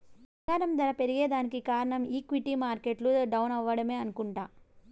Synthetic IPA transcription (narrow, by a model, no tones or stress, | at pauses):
ɐaːɾɐmd̪ɐɾɐpe̞ɾiɡe̞ːd̪aːnikikaːɾɐɳɐmiːkʋiʈiːmaːɾkeʈluɖɐwnɐʋːɐɽɐme̞ːɐnukuɳʈaː